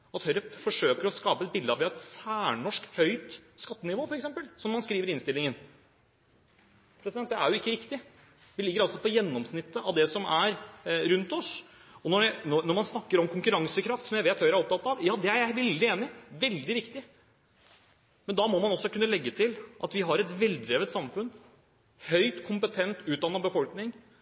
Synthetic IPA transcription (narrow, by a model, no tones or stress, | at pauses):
ɑt̪hœɾpfɔʂøːkəɾɔskɑːpəɛt̪̚bɪld̪əɑʋɪɑɛt̪sæːɳɔʂkhœʏt̪skɑt̪ːənɪʋoːfɔɾɛksɛmpəlsɔmːɑnskɾiːʋəɾɪnst̪ɪlːɪŋən | pʰɾɛsɪd̪ɛnt̪̚ːd̪ɛæɾjʊɪkːəɾɪkt̪ɪ | ʋɪlɪɡːəɾɑlsɔpʰɔjɛnːɔmsnɪt̪ːəʔɑʋd̪ɛsɔmæɾɾʉnt̪ɔsɔnɔnɔnɔmɑnsnɑkːəɾɔmkʰʊŋkʉɾɑŋsəkʰɾɑft̪sɔmjæɪʋeːt̪ʰjɑjæɾɔp̚t̪ʰɑt̪ːɑʋjɑːd̪ɛæɾjæɪʋɛld̪ɪeːnɪʋɛld̪ɪʋɪkt̪ɪ | mɛnd̪ɑmomɑnɔsːɔkʉnːəlɛɡːət̪ʰɪlʔɑ̰t̪ʋɪɦɑɾɛt̪ʋɛlːd̪ɾeːʋət̪sɑmfʉn | hœʏt̪kʰʊmpət̪ʰɛnt̪ʉːt̪̚d̪ɑnːɑbəfɔlknɪŋ